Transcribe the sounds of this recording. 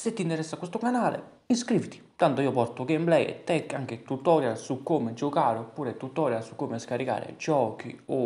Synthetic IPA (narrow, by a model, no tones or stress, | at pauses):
set̪ːint̪ɛɾɛsːakːwest̪ʊkanaːlḛ | inskɾivit̪i̥t̪ant̪oiopɔɾt̪ʊɡemblɛjɛ̰t̪ːɛkːaŋk̟et̪ut̪ːɔːɾjasukːoːmɪd͡ʒokaːɾopuːɾɛt̪ːut̪ːɔːɾjasu̥kːomeskaɾika̰ːɾɪ̰d͡ʒɔːk̟ḭo